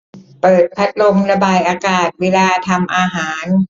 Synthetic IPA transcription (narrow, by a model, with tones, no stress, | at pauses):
pɤː˨˩t̪̚pʰa˦˥t̪̚lo˧mɾa˧baː˧jʔaː˧kaː˨˩t̪̚weː˧laː˧t̪ʰa˧mʔaː˧ɦaː˩˦n